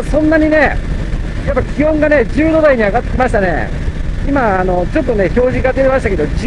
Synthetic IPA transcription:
sõ̞nːaɲ̟ine̞ | japːakʲihõ̞ŋɡane̞d͡ʑɨːd̪o̞d̪aiɲ̟iaɡat̪ːe̞kʲimaɕ̬i̥t̪ane̞̰ | imaːno̞t͡ɕo̞t̪ːo̞ne̞ço̞ːʑikat̪ːeɾemaɕi̥t̪ake̞d̪o̞d͡ʑ

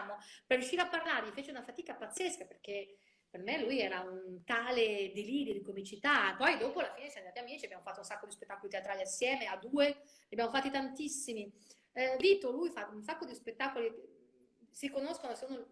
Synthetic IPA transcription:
moperːjuʃːiːɾeapːarlaːɾeʎifeːt͡ʃeunafat̪iːkapat̪sːeskaperk̟e | permelujɛːɾaunt̪aːled̪iliːɾjod̪ikomit͡ʃit̪apɔjd̪oːpoalːafiːnesjand̪aːt̪iamiːt͡ʃiabjamofat̪ːounsakːod̪ispet̪ːaːkolit̪eat̪ɾaːliasːjɛːmead̪uːe | ʎabjamofat̪ːit̪ant̪isːimi | viːt̪olujfaunsakːod̪ispet̪ːakoli | siɾikonoskonoseuno

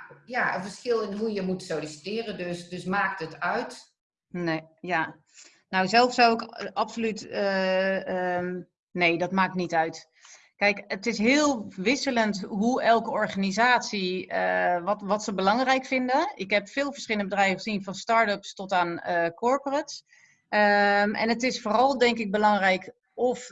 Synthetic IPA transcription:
jaə̰vəskɪlˠɪnɦujəmutsolisi̥tɪːrəndøsdɵsmaːk̚tətœɥt | neja | nowzɛlˠfsɔwɪkɑpsolytə | nejdɑtmaːknitœɥt | kɛjkətɪsɦɪːlˠʋɪsələntɦuɛlˠkəɔɹχanizaːtsiə̰ʋɔtʋɔtsəbəlɑŋrɛjkfɪndəɪkɦɛpfɪːlˠvəɹsχɪlˠənəbədrɛjvəχəzinfɔnstɑɹtəpstɔtaːnəkʰɔɹporəts | əmɛ̰nətɪsfoːrɑlˠdɛŋkɪɡ̚bəlɑŋrɛjk | ɔf

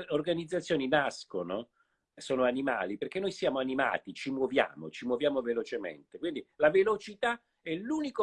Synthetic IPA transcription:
orɡanid̪zat̪sːjoːninaskono | soːnoanima̰ːliperk̟enːojsjaːmoanima̰ːt̪it͡ʃimwovja̰ːmo̰t͡ʃimwovjaːmovelot͡ʃemḛnt̪ekwind̪ilavelot͡ʃit̪a | ɛluːniko

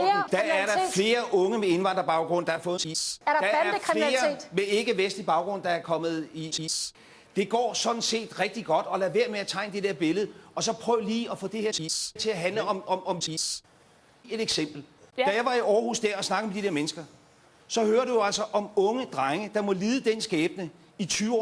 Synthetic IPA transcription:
d̥ææɐɾɑ̈fle̝ːɐʔɔ̽ŋəmee̝nʋɑ̈n̰d̥ʁɐb̥ɑ̈ʊɡ̥ʁɔ̽n̰d̥ɑ̈æɐfɔ̽ːð̩ˠiɐ̥d̥ɑæɐfleːɐɐ̥mee̝ɡ̥əʋesd̥lib̥ɑ̈ʊɡ̥ʁɔ̽n̰d̥ɑ̈æɐkʰɒ̽m̰ð̩ˠisi | d̥e̝ɡ̥ɒ̰ːsɒ̽d̥n̩se̝̰ːd̥ʁɛɡ̥̚d̥iɡ̥ɒ̽d̥ɒ̽læʋæɐ̰meæt͡sʰɑ̈ɪ̰nəd̥e̝d̥eɐb̥e̝ləð̞̩ˠəɒ̽sɒ̽pʰʁœːʊliːɒ̽fɔ̽ːd̥e̝heɐ̰si̥t͡sʰe̝æɦænləɒ̽mɒ̽mɒ̽msi | e̝ɾ̥eɡ̥sem̰b̥l̩d̥æjɑ̈ɪʋɑ̈iɒːhṵːsd̥æɐɒ̽snɑ̈ɡ̥̩med̥id̥eɐ̰menəsɡ̥ɐ | sɒ̽høːɐɾ̥ujoæl̰sɒʔɒ̽mɔ̽ŋəd̥ʁɑŋəd̥ɑ̈mɒ̽liːðˠəd̥ensɡ̥ɛːb̥̚nə | it͡sʰyːʊɒ̰

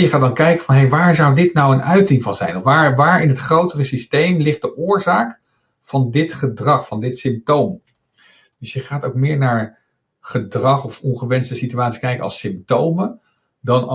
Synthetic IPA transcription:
jəχaːdɑnkɛjkəvɑnɦejʋaːɹzʌwdɪtnɑwənœɥtɪŋvɑnzɛ̰jnɔfʋaːɹʋaːɹɪnɦətχrowtərəsistejmlɪχt̚dəʔʊːɹzaːk | v̥ɑndɪtχədrɑχfɑndɪtsɪmp̚towm | d̥ɵsjəχaːtoʊk̚mɪːɹnaːɹ | χədrɑχɔfɔnχəʋɛnstəsityaːtsi̥skɛjkənɑ̰sɪmp̚towmə | dɑnɑ

